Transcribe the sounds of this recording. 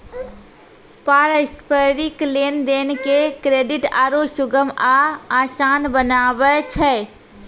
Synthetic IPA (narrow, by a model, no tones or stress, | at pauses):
paːɾəspəɾiklend̪eːnkekɾeːɖɪʈa̰ːɾosʊɡəmaaːsaːnbənaːʋət͡ʃʰɛ